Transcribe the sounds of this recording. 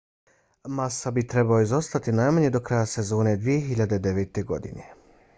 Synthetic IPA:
masabit̪ɾe̞baoizo̞st̪at̪inajmaɲe̞d̪o̞kɾajase̞zo̞ːne̞d̪ʋije̞xiʎad̪ed̪e̞ʋet̪e̞ɡo̞̰d̪ḭne

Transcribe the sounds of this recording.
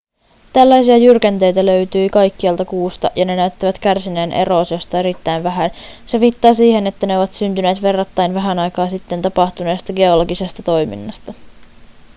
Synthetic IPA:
t̪ælːæjsiɑjyrkænt̪e̞jt̪ælø̞ɥt̪yːkɑjkːiɑlt̪ɑkuːst̪ɑjɑne̞næɥt̪ːæʋæt̪k̟ærsine̞ːnʔḛɾo̞ːsjost̪ɑe̞ɾit̪ːæjnʋæɦænse̞ʋit̪ːɑːsiːhe̞ne̞t̪ːæne̞o̞ʋɑt̪synt̪yne̞ːt̪ʋe̞rːɑt̪ːɑjnʋæɦænɑjkɑːsit̪ːe̞nt̪ɑpɑxt̪une̞ːst̪ɑɡe̞olo̞ɡise̞st̪ɑt̪o̞jmḭnːɑst̪ɑ

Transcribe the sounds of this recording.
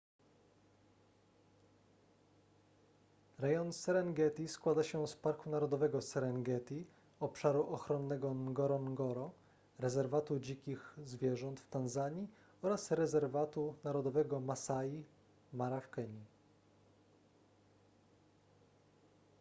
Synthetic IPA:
ɾɛjɔnsɛɾɛŋɡɛt̪ʲiskwad̪aɕɛspaɾkunaɾɔd̪ɔvɛɡɔsɛɾɛŋɡɛt̪ʲi | ɔpʂaɾuʔɔxɾɔnːɛɡɔnɡɔɾɔnɡɔɾɔ | ɾɛzɛɾvat̪ud͡ʑikʲixzvʲjɛʐɔnt̪ft̪anzaɲi | ɔɾasɾɛzɛɾvat̪unaɾɔd̪ɔvɛɡɔmasaji | maɾafkɛɲi

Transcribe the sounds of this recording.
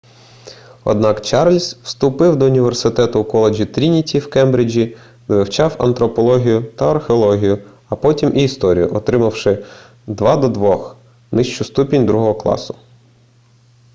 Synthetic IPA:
ɔ̰d̪̚nɑkt͡ʃɑrlʲswst̪ʊpɪwd̪ɔʊnʲiʋersɪt̪ɛt̪ʊːkɔlˠed͡ʒʲit̪ɾʲinʲitʲiwkɛmbɾɪd͡ʒʲi | ʋɪwt͡ʃɑwɐ̰nt̪ɾɔpɔlˠɔɦʲijʊt̪ɐɐrxeɔlˠɔɦʲijʊ | ɐpɔtʲimʔiːst̪ɔɾʲḭjʊʔɔt̪ɾɪmɐwʃɪ | d̪ʋɑd̪ɔd̪ʋɔx | nɪʃt͡ʃʊst̪upʲinʲd̪ɾuɦɔɦɔklˠɑ̰sʊ̥

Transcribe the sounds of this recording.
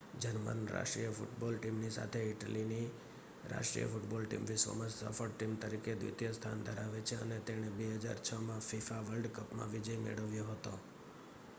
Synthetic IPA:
d͡ʒənmə̰nɾa̰ʃʈɾijəfṵʈbɔlʈimnisa̰t̪ʰeɪʈəlini | ɾa̰ʃʈɾḭjə̰fuʈbɔlʈḭmʋiso̰məssə̰fəɽʈimt̪əɾiked̪ʋḭt̪jəst̪ʰand̪ʱəɾaʋet͡ʃʰeə̰net̪eɽ̃ebeɦəd͡ʒa̰ɾt͡ʃʰəmãfifaʋəlɖkəpmã̰ʋid͡ʒəjmḛɭəʋjoɦət̪o

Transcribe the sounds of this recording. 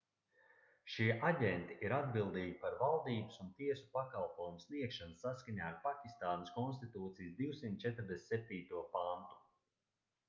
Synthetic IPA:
ʃiːʔaɟʲɛnt̪iʔiɾad̪bilˠd̪iːɡʲipaɾvalˠd̪iːbusunt̪iɛsu̥pakalˠpɔjumusniɛkʃansːaskaɲaːaɾpakʲist̪aːnəskɔns̬t̪it̪uːt̪sijsd̪iwsimt̪̚ʲt͡ʃɛt̪ɾd̪essɛp̚t̪iːt̪uɔpant̪u̥

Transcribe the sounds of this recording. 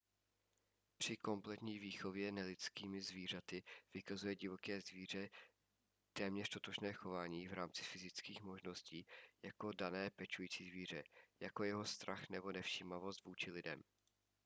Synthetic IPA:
pr̥ɪko̞mplɛt̪ɲiːviːxo̞vjɛnɛlɪt͡skiːmɪzviːr̝at̪ɪv̥ɪkazujɛɟɪvo̞kɛːzviːr̝ɛ | t̪ɛːmɲɛr̝̥t̪o̞t̪o̞ʃnɛːxo̞vaːɲiːvɾaːmt͡sɪ̥fɪzɪt͡skiːxmo̞ʒno̞sciːjako̞danɛːpɛt͡ʃujiːt͡siːzviːr̝ɛjako̞jɛɦo̞st̪ɾʔaxnɛbo̞nɛfʃiːmavo̞st̪vuːt͡ʃɪlɪdɛ̰m

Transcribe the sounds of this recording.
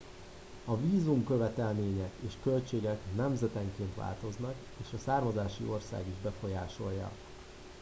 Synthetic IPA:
ɒviːzumkø̞vɛt̪ɛlmeːɲɛeːʃkølt͡ʃeːɡɛknɛmzɛt̪ɛŋkeːnt̪ʋa̰ːlt̪o̞znɒk | eːʃɒsaːrmɒzaːʃḭʔo̞rsa̰ːɡiʒbɛfo̞jaːʃo̞jjːɒ̰

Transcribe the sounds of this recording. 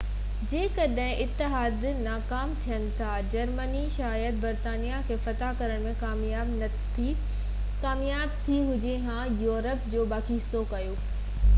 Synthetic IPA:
d͡ʑeːkɐɗɦɪ̃ʔɪt̪ːɪɦaːd̪ | naːkaːmt̪ʰijənɪ̆t̪ʰad͡ʑɐɾməniʃaːjəd̪̚bɐɾt̪aːnijakʰeːfɐt̪akɐɾəɽ̃mẽkaː | aːbn | i | kaːmjaːb̚t̪ʰiɦʊd͡ʑeɦãjoːɾəpd͡ʑoːbaːkisokɐjoː

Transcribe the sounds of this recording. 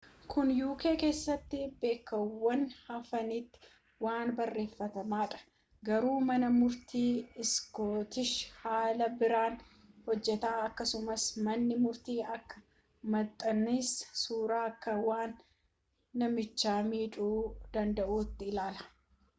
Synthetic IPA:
kʰʊnjuːkeːke̞ːsːɐt̪ːɪbe̞ːkːɐwːɐnhɐfɐnɪt̪ːɪ̥ | waːnbɐrːe̞ːfːɐt̪ɐmaːᶑɐ̥ | ɡɐɾuːmɐnɐmʊɾt̪iːɪskoːt̪ɪʃhaːlɐbɪɾaːn | hɔd͡ʒːɛt̪aːɐkːɐsʊmɐsmɐnːɪmʊɾt̪iːɐkːɐ̥ | mɐt̪ʼːɐnɪssuːɾaːkːɐwaːnː | ɐmɪt͡ʃːaːmiːᶑʼuːd̪̥ɐnd̪ɐʔuːt̪ːɪːlaːlɐ̥

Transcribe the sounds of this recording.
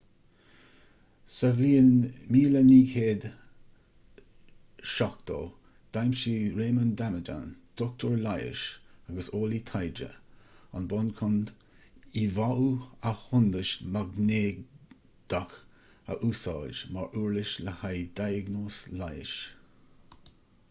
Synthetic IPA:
sɛvliːənmiːləniːkʰeːd̪ | ʃɔk̚t̪ʰɔ̰ː | d̪̥ajmʃiːɾeːmənd̪aməd͡ʒa̰nd̪̥ɔk̚t̪ʰəɹlajɪ̰ʃaɡəsoːlit̪ʰajd͡ʒə̰a̰nbɔnkʰʊnd̪ | ivaʔuahʊnd̪əʃmaɡneː | d̪̥ax | ə̰ʔuːsɑːʒmaɹʔuːɹlɪʃləhajd̪̥ajəɡnoːslajə̰ʃ

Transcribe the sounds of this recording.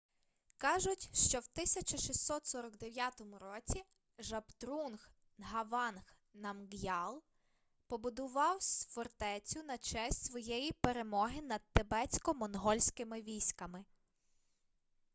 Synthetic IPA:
kɑʒʊtʲʃt͡ʃɔwt̪ɪsʲɐt͡ʃɐʃisːɔt̪sɔɾɔɡd̪eʋʲjat̪ɔmʊɾɔt͡sʲi | ʒɐpt̪ɾunx | ɦɐʋɑnx | nɐmɡjɑlˠ | pɔbʊd̪ʊʋɑwsʲfɔrt̪ɛt͡sʲʊnɐt͡ʃɛsʲtʲsʋɔjɛjipeɾe̞mɔɦɪnɐd̪̚t̪ebɛt͡sʲkɔmɔnɦɔlʲsʲkɪmɪʋʲijsʲkɐmɪ

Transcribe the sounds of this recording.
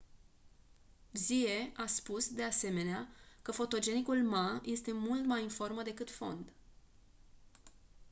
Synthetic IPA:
bzie̞ʔaspusd̪e̞ase̞me̞neakəfo̞t̪o̞d͡ʒe̞nikulmaje̞st̪e̞mult̪majinfo̞rməd̪e̞kɨt̪fo̞̰nd̪

